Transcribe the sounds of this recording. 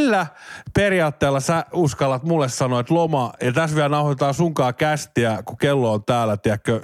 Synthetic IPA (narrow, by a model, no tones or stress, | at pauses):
lːæperiɑːt̪ːeːlːɑsæuskɑlːɑt̪mulːessɑnoet̪lomɑɑt̪æsʋiænɑuhot̪et̪ɑːsuŋkɑːkæst̪iækukelːoont̪æːlæt̪iækːø